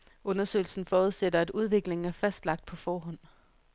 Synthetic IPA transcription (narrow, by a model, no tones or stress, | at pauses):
ʔɔ̽nɐsø̰ɪl̩sn̩fɒːuðˠsedɐæd̥uð̞ˠʋe̝ɡ̥le̝ŋ̩æɐfæsd̥lɑ̈ɡ̥̚d̥̚pʰɒ̽fɒːɦɒ̽n̰